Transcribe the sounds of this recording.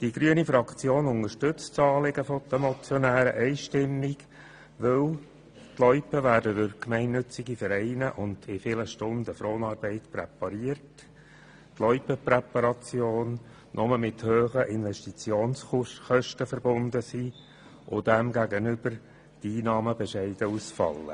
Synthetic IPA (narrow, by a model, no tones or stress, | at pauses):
d̥iɡɾyənifɾɑkt͡sjoːnʊnəɾʃtʏt͡st͡sɑːlɪɡəfɔt̪əmɔt͡sjɔnæːɾə̰ʔɛɪʃtɪmːɪɡ | ʋɪl | tlɔʏpəʋæːɾdədʏɾkmɛɪnːʏt͡sɪɡifəɾɛɪnəʔʊnd̥ɪfɪləʃtʊndəfɾoːnɑːɾbɛɪtpɾɛ̰pɑɾiərt | tlɔʏpəpɾɛpɑɾɑt͡sjoːn | nʔɔməmɪt̪høːχəʔɪnʋɛʃtit͡sjoːnsχœʃtəfəɾbʊnd̪əsiː | ʔʊdæmɡæɡənʏb̥əɾ | d̥iːnɑːməbɛʃɛɪd̥əusfɑ̰lːə̰